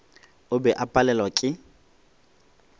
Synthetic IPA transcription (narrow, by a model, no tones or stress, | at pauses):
ʊbɛʔapʼalɛlwakʼɪ